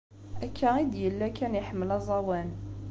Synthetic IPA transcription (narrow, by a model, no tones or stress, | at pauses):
ʔækʰːaʁid̪jəlːækænjəħməlæzˤɑwæn